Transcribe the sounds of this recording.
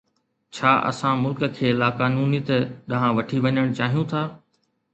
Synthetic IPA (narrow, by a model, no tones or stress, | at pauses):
t͡ɕʰaːʔɐ̰sãmʊlkə̆kʰeːlaːkaːnuːnit̪eɗɐɦãʋɐʈʰiʋɐɲəɽ̃t͡ɕaːɦijũt̪ʰaː